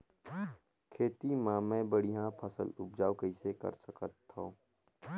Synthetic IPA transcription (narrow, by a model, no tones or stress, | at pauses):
kʰeːt̪imãːmɛ̃ːbəɽiɦãpʰəsə̰lʊp̚d͡ʒaːokəɪsekə̰ɾsəkət̪ːõː